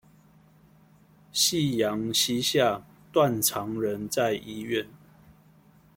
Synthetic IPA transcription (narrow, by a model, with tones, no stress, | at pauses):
ɕi˥˨jɑ˨˦ŋɕi˦ɕja˥˨ | t̪wa˥˨nʈ͡ʂʰɑ˨˦ŋɻə˨˦nt͡sa˥˨ɪʔi˧ɥɛ˥˨n